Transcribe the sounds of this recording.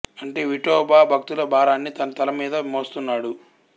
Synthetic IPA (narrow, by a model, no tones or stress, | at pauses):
ɐɳʈe̞ːʋiʈɔːbaːbʱɐk̚t̪ulɐbʱaːɾaːnːit̪ɐnɐt̪ɐlɐmiːd̪ɐmoːst̪unːaːɽu